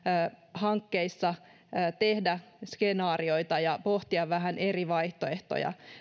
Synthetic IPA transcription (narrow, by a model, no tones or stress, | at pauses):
hɑŋkːeisːɑː | t̪ehdæskenɑːrio̞it̪ɑjɑpoht̪iɑʋʋæɦæneriʋɑjht̪oeht̪o̰jɑ̰